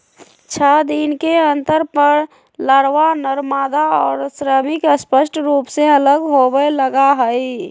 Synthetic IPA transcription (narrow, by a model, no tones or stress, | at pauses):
t͡ʃʰəd̪inkeənt̪əɾpəɾ | ləɾʋanəɾmad̪aɔːɾsɾəmɪkəspəsʈɾupsẽələɡɦobələɡaɦəj